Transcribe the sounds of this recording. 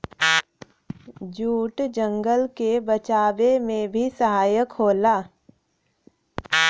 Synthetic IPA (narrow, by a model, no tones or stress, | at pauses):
d͡ʒuːʈd͡ʒə̃ŋɡəlkebət͡ʃaːbemẽbʱisəɦaːjəkɦoːlaː